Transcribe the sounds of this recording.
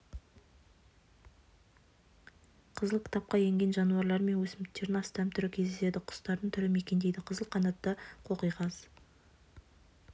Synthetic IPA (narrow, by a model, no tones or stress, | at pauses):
qʰəzəlˠkʲʰɪ̥t̪ɑp̚qɑje̞ŋɡʲe̞nʒɑnuɑɾlˠɑɾme̞nwɵsɪmkt̪ːe̞ɾɪnɑst̪ɑpt̪ʰʏɾɪkʲʰezd̪ese̞d̪ɪqʰʊ̥st̪ɑɾd̪əɴt̪ʰʏɾɪme̞kʲend̪ejd̪ɪqʰəzəlˠqʰɑnɑt̪ːəqʰo̞qəjʁɑz̥